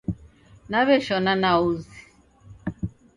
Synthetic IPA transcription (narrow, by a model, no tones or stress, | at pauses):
naβɛʃɔnanauzi